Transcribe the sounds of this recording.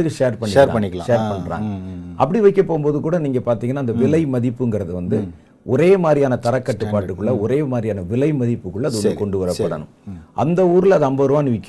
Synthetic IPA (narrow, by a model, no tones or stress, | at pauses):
ɯkːɯʂeːɾpɐɳːɪeːɾɐl̰ɐɳːɪkːɐlã̰ʃeːpɐɳɾa̰ːʔɐ̰pːɐɽiʋɐɪkːɐpːoːɣɯmboːðɯkuːɽɐniːŋɡɐpaːɾt̪iːŋɡɐnːaːɪnd̪ɐʋɪlɐɪmɐðɪpːɯŋɡɪɾɐðɯʋɐnd̪ɯ | ʔɔɾeːmaːd̪ɾɪjaːnɐt̪ɐɾɐkːɐʈːɯpːaːʈːɯkːɯɭːɐɔɾeːmaːd̪ɾɪjaːnɐʋɪlɐɪmɐðɪpːɯkːɯɭːɐɐðɯɔnd̪ɯkɔɳɖɯʋɐɾɐpːɐɽɐ̰nɯ̰̃mʔɐ̰nd̪ɐuːɾɯlɐðɯɐmbɐɾɯʋaːnɯʋɪkː